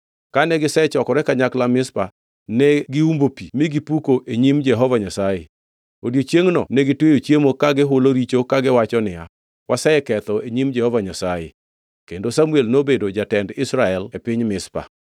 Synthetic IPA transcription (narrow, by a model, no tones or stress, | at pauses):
kanɛɡɪsɛt͡ʃɔkɔɾɛkaɲaklamɪspa | nɛɡɪumbopimɪɡipukoʔeɲimd͡ʒɛɦɔvaɲasaje | odjot͡ʃjeŋnɔnɛɡɪtwejot͡ʃjemokaɡɪɦʊloɾit͡ʃokaɡɪwat͡ʃɔnɪja̰ | wʔasɛɛkɛt̪ɔeɲimd͡ʒɛhɔvaɲasajḛ | kendosamuelnobedod͡ʒatɛndɪsɾaɛlepɪɲmɪspa̰